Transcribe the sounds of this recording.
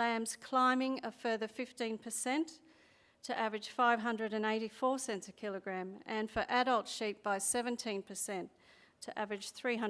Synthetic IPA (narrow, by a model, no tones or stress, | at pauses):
æ̃mz̥kʰl̥ãɪ̃mɪ̃ŋʌ̥fɜ˞ðə˞fɪftĩnpʰə˞sɛ̃ntʰ | ɨʔævɹɨd̥ʒ̥faɪv̥ɦʌ̃ndɹɨɾɨ̃neɪɾifɔɹsɛ̃nsɨkʰɪlˠəɡɹæ̃mɨ̃nfə˞ʔæɾʌlˠtʃip̚b̥aɪsɛvɨ̃ntʰĩnpʰə˞sɛ̃nt | tʰɨʔævɹɨd̥ʒ̥θɹiɦʌ̃